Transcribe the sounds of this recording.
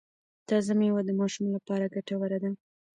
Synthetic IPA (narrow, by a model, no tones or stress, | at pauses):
t̪ɑzamjawad̪əmɑʃumlapɑɾaɡaʈawəɾad̪a